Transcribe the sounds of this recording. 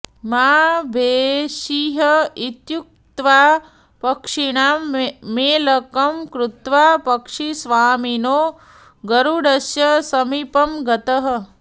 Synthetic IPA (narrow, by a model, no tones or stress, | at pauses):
maːbʱeːʃiɦɐit̪juk̚t̪ʋaː | pɐkʂiɳaːmmeːlɐkɐmkɾut̪ʋaːpɐkʂisʋaːminoː | ɡɐɾuɽɐsjɐsɐmipɐmɡɐt̪ɐɦɐ̆